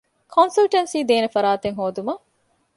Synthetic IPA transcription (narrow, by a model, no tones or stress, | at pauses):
kʰonsɐlʈensiːd̪eːnefɐɾaːt̪eŋɦoːd̪umɐ